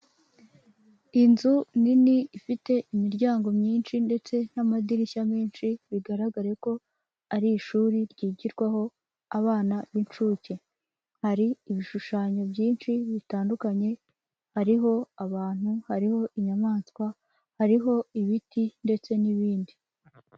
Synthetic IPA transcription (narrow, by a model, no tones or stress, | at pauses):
inzuniniifite̞ʔimiɾɟaːŋɡo̞mɲiːnʃinde̞t͡se̞n̥amadiɾiçamiːnʃiβiɡaɾaɡaɾeko̞ | aɾiʃuːɾiɾɟiːɟiɾɡwaho̞ | aβaːnaβint͡ʃuːce̞ | haɾiːβiʃuʃaːɲo̞bɟiːnʃiβitaːndukaɲe̞ | haɾiɦo̞aβaːn̥huhaɾiho̞ʔiɲamaːnskwa | haɾiɦo̞iβitʰinde̞t͡se̞niβiːndi